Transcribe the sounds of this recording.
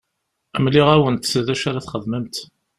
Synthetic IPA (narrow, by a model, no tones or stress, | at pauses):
əmliʁæwənt̪sðæʃaɾaθχəðməmt̪